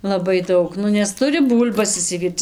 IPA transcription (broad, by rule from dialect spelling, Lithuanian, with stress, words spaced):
lˠɐˈbɐɪ ˈdɐʊk ˈnʊ nʲɛs ˈtʊrʲɪ ˈbuːlʲbɐs ɪʃʲsʲɪˈʋʲiːrt͡s